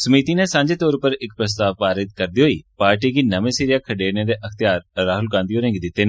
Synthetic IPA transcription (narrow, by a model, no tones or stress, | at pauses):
səmiːt̪inẽsãːɲd͡ʒeːt̪ɔːɾpəɾɪk̚pɾəs̬t̪aːʋpaːɾɪt̪kəɾd̪iːɦoːḭːpaːɾʈiːkiːnɐʋẽːsiːɾɪjaːkʰəɖeːɾneːd̪eːʔəxt̪ɪjaːɾɾaːɦʊlɡãːnd̪ioːɾẽːŋɡd̪ɪt̪ːeːnː